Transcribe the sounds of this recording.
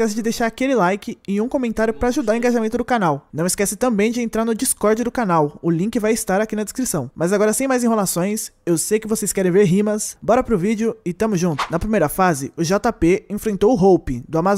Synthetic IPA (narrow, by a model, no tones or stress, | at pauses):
kɛsɪd͡ʒɪd̪ejʃaɾakelɪlajkɪɪũkõmẽnt̪aɾjʊpɾɐaːʒud̪aɾʊ̃ẽŋɡaʒamẽnt̪ʊd̪ʊkanawnɐ̃w̃ɪskɛsɪt̪ɐ̃bẽj̃d͡ʒɪẽnt̪ɾaɾnʊd͡ʒiskɔɾd͡ʒɪd̪ʊkanawʊlĩkɪvajɪst̪aɾakinɐd̪eskɾisɐ̃w̃mɐzaɡɔɾɐsẽj̃majzẽɦelasõj̃sewsejkɪvosejskɛɾẽj̃veɾɦĩmɐsbɔɾɐpɾʊvid͡ʒʊɪt̪ɐ̃mʊzʒũnt̪ʊ̥nɐpɾimejɾɐfazɪʊʒat̪apeẽfɾẽnt̪owʊɦowpɪd̪ʊama